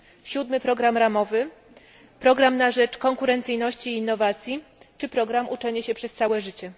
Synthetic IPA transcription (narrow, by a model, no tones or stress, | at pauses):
ɕud̪mɘpɾɔɡɾamɾamɔvɘ | pɾɔɡɾamnaʐɛt͡ʂkɔŋkuɾɛnt̪sɘjnɔɕt͡ɕiːnːɔvat̪sʲjit͡ʂɘpɾɔɡɾamʔut͡ʂɛɲɛɕɛpʂɛst̪sawɛʐɘt͡ɕɛ